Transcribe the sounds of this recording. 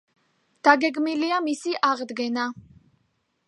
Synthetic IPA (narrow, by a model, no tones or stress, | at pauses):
d̪̥aɡɛɡmiliamisiʔaʁd̪ɡɛna